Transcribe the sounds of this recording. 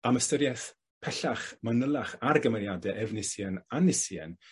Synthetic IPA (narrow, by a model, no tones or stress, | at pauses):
aməstəɾjɛθ | pʰɛɬaχmənəlˠaχarɡəməɾjadɛʔɛvnɪsjɛnanːɪsjɛ̰n